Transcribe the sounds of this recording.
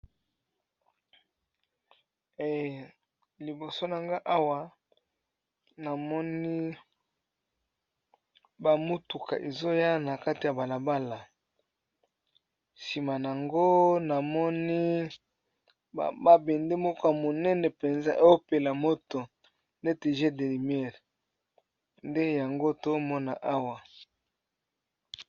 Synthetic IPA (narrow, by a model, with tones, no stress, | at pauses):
e˨ | li˨bo˨so˦na˨ŋɡa˦ʔa˦wa˨ | na˨mɔ˦ni˦ | ba˨mu˦tu˨kʰa̰˨ʔe˨zo˦ja˦˨na˨ka˦ti˨ja˨ba˨la˨ba˦la˨ | si˨ma˨n˨a˨ŋɡo˦na˨mɔ˦ni˦˨ | ba˦be˨nde˦mɔ˦ko˦ja˨mo˨nɛ˦nɛ˨pe˨nza˦ʔe˦o˦pe˨la˨mo˦to˨ | nde˦te˨ʒe˦de˨li˨m˦ɛ˦˨ʁ | nde˦ja˨ŋɡo˦to˦mɔ˦na˨ʔa˦wa˨